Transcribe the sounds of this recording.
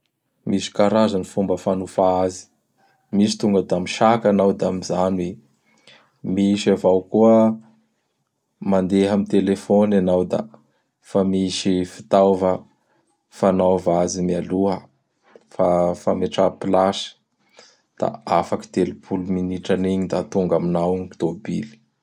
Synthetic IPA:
misi̥kaɾazanifumbəfanufaazi̥ | misi̥t̪uŋɡəd̪amiʃakanawd̪amizanwi | miʃavawkuə | mand̪eɦamit̪elefonanawd̪a̰ | famiʃifi̥t̪awvə | fanavazimialuɦə | fafameʈ͡ʂapilasə̥ | d̪̥a̰afaki̥d̪elipʰuluminiʈ͡ʂaniɲid̪at̪uŋɡaminawŋkt̪obili̥

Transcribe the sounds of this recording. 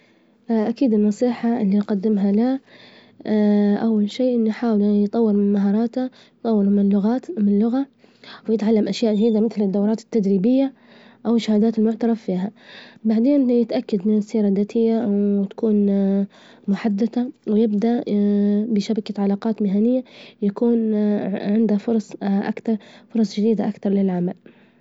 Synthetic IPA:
ʔakiːd̪ɪnːɑsˤiːħaɪlːijqɑd̪ːɪmɦala | ʔawːalʃiːʔɪnːiħaːwɪljt̪ˤɑwːɪɾmɪnmaɦɑːɾˤɑːt̪ha | jt̪ˤɑwːɪɾmɪnlʊɣaːt̪mɪnlːʊɣa | wjɪt̪ʕalːamʔaʃjaːʔʒadiːd̪amɪθlɪd̪ːawɾˤɑːt̪ɪ̥t̪ːad̪ɾiːbɪjːa | ʔawɪʃːahaːd̪aːt̪ɪlmʊʕt̪ɑɾˤɑffiːɦabaʕd̪eːnjɪt̪ʔakːad̪mɪnɪsːiːɾˤad̪aːt̪ʰɪjːawɪt̪ḁkuːn | mʊħad̪ːad̪awɪjɪbd̪aʔ | bɪʃabakaʕalɑːqɑːt̪mɪɦanɪjːajakuːnʕɪnd̪afʊɾˤɑsˤʔa̰kt̪ɑɾˤfʊɾˤɑsˤd͡ʒɪd̪iːd̪aʔakt̪ɑɾˤlɪlʕamal

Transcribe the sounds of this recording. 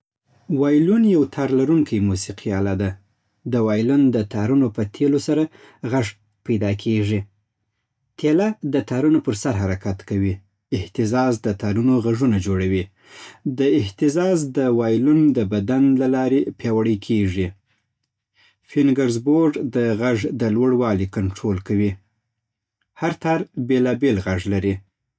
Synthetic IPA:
wɑjlunjawt̪ʰɑɾlaɾuŋkʰajmusiqʰiɑlad̪a | d̪əwɑjlʊnd̪ət̪ɑɾunopət̪ʰelosaɾa | ɣaʐ | pajd̪ɑkʰeʐi | t̪ʰelad̪ət̪ɑɾunopəɾsaɾɦaɾakat̪kawi | ɪht̪ɪzɑzd̪ət̪ɑɾunoɣaʐunad͡ʒoɽawi | d̪əɪht̪ɪzɑzd̪əwɑjlund̪əbad̪anlalɑɾepjɑwaɽəkʰeʐi | fɪnɡaɾzboɾɖd̪əɣaʐd̪əlwəɽwɑlikaɳʈɾolkawi | haɾt̪ɑɾbelɑbelɣaʐlaɾi

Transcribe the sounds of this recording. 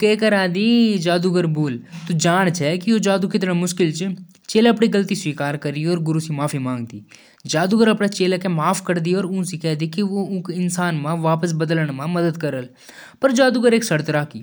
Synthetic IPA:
keːkəɾaːd̪id͡ʒaːd̪uɡəɾboːlt̪ud͡ʒaːɽ̃t͡ʃʰɛkiod͡ʒaːd̪ukɪt̪ɽ̃amʊʃkɪlt͡ʃ | t͡ʃeːlaɐpɽiɡəlt̪isʋiːkaːɾkəɾiɔːɾɡʊɾusimaːfʰimãːŋɡd̪iː | d͡ʒaːd̪uɡəɾɐpɽat͡ʃeːlakemaːfʰkəɾd̪iɔːɾʊ̃ːsikɛːd̪ikiʋoʊ̃kɪnsaːnmãʋaːpəs̬bəd̪ələɽ̃mãmɐd̪əd̪kəɾəl | pɐɾd͡ʒaːd̪uɡəɾeːksəɽt̪ɾaːkiː

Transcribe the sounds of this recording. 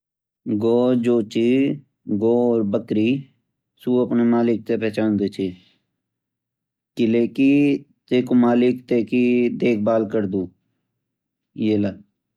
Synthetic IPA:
ɡoːd͡ʒoːt͡ʃi | ɡoːɾbəkɾiː | suːəpnemaːlɪk̚t̪epɛːt͡ʃaːnd̪et͡ʃʰeː | kɪleːki | t̪eːkomaːlɪkt̪eːkid̪eːk̚ʰbaːlkəɾd̪uː | jeːla

